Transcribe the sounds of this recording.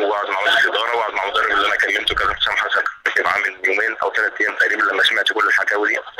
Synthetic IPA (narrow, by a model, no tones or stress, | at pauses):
waʕed̪maʕmæzeled̪ɑːɾˤɑwaʕd̪maʕmod̪ɑrːebelːiʔænækælːemt̪owekæzæfsæmħasæfebʕamɪnjoːmeːnʔæ̰wt̪ælæt̪ʔæjæːmt̪æʔɾiːbælæmːæʃmeʕt̪ikolːelħaɡ̪æwli